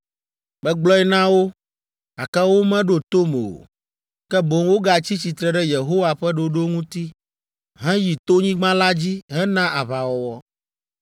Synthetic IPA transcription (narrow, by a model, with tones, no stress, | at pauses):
bɛ˦ɡ͡blɔ˦ɛ˦nã˦wo˦ | a˨kɛ˦wo˦mɛ̃˦ɖo˦t̪o˦me˨o̰˨ | kɛ˦bo˨ŋwo˦ɡa˨t͡ɕi˦t͡ɕi˨t̪ɾɛ˦ɖɛ˦je˨ɦo˦wa˨ɸɛ˦ɖo˨ɖo˦ŋũ˦t̪i˦ | ɦɛ̃˦ji˨t̪o˦ɲĩ˦ɡ͡bã˦la˦d͡ʑi˦ɦɛ̃˦nã˦ʔa˨βa˨wɔ˨wɔ˦